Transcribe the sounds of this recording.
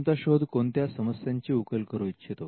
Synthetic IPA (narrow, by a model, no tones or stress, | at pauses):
t̪aɕod̪ʱkont̪jasəməsjaɲt͡ɕiːukəlkəɾuːitːɕʰet̪o